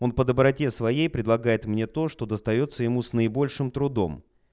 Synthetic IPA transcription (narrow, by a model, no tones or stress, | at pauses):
o̞npəd̪əbɾɐtʲe̞svɐjejpɾʲɪd̪lˠɐɡajɪt̪mnʲe̞t̪o̞ʂt̪o̞d̪əst̪ɐjo̞t̪sːəjɪmusnəɪbo̞lʲʂɨmt̪ɾʊd̪o̞̰m